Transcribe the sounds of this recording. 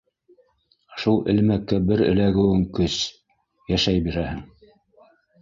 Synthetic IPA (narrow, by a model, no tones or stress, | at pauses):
ʃulˠɘ̰̆lmækːæbɘɾɘ̰̆læɡɘ̆wɘŋkɵs | jæʃæjbiɾæhɘŋ